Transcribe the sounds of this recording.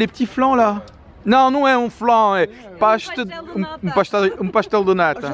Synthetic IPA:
lept̪iflɐ̃la | nɐ̃w̃nɐ̃w̃ɛũflɐ̃ɛpaʃt̪ɨũũpaʃt̪ɛlũpaʃt̪ɛlˠd̪ɨnat̪ɐ

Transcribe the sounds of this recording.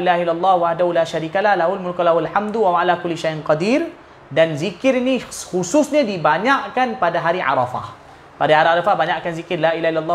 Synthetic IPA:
ʔilaɦilːalˤːɑhwahdahulaːʃaɾiːkalahlaɦulmʊlkalahualħamd̪wamaalakʊlːiʃajʔnqɑdiɾ | danzikɪɾinixususɲãdibaɲaʔkanpadaɦaɾiʕa̰ɾˤɑfa̰h | padaiaɾiaɾɑfahbaɲaʔkanzikɪrlailaɦailalˤːɑ

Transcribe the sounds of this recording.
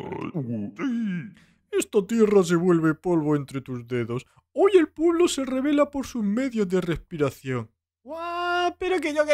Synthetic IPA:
i | est̪ot̪iros̬e̞βwe̞lβe̞po̞lβoent̪ɾe̞t̪uzðe̞ðo̞s | oje̞lpweβlose̞re̞β̞e̞lapo̞ɾsuzme̞ðjozðe̞re̞spiɾaθjo̞ŋ | wapeɾok̬eʝoke

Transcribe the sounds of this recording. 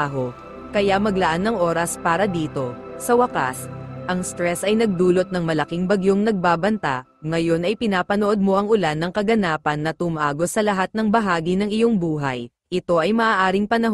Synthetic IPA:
ɦo̞ | kɐjamɐɡlɐʔanːɐŋʔo̞ːɾɐspaːɾɐd̪iːt̪o̞ | sɐwɐka̰sʔɐŋst̪ɾɛsɐjnɐɡ̚d̪uːlo̞t̪̚nɐŋmɐlɐkiŋbɐɡjo̞ŋnɐɡ̚baːbɐnt̪a̰ | ŋɐjo̞nɐjpɪnaːpɐnoʔo̞d̪̚mo̞ʔɐŋʔʊlanːɐŋkɐɡɐnaːpɐnːɐt̪ʊmɐʔaːɡo̞sɐlɐɦat̪̚nɐŋbɐɦaːɡinɐŋɪjo̞ŋbuːɦɐj | ʔɪt̪o̞ʔɐjmɐʔaːʔaːɾɪŋpɐnɐɦ

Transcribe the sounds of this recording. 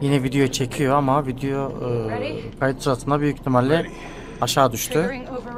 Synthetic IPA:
jinɛvid̪ejot͡ʃʰe̞cʰijo̞amavid̪ejo | kʰajɯt̪sɯɾat̪ɯnd̪abyjyct̪ʰimalʲlːʲɛ | aʃaːd̪yʃt̪ʰʊ

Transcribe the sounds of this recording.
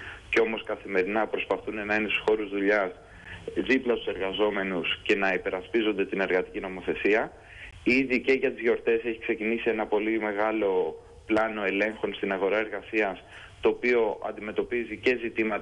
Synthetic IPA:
ceo̞mo̞skɐθime̞ɾinɐpɾo̞spɐθune̞nɐinest̪u̥sxo̞ɾuzðuʎɐs | ðiplɐt̪u̥se̞ɾɣɐzo̞me̞nusce̞nɐipe̞ɾɐspizo̞nd̪et̪ine̞ɾɣɐt̪icino̞mo̞θe̞siɐ | iðice̞ʝɐt̪izʝo̞ɾt̪e̞se̞çi̥kse̞cinisie̞nɐpo̞lime̞ɣɐlo̞ | plɐno̞e̞le̞ŋxo̞nst̪inɐɣo̞ɾɐe̞ɾɣɐsiɐs | t̪o̞ːpio̞ʔɐ̰nd̪ime̞t̪o̞pizice̞zit̪imɐt̪

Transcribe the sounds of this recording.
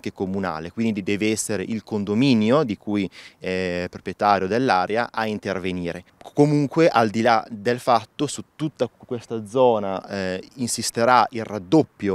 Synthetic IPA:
kekomuna̰ːlekwind̪id̪ɛːveɛsːeɾeʔilkond̪ominjod̪ikujɛpɾopɾjet̪aːɾjod̪elːaːɾeaʔaint̪erveniːɾe | komuŋkweʔald̪ilad̪elfat̪ːosut̪ːut̪ːakːwest̪ad̪zɔːnainsist̪eɾailrad̪ːopːjo

